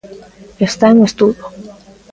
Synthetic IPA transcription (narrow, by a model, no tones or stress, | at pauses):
est̪aenuest̪uðjo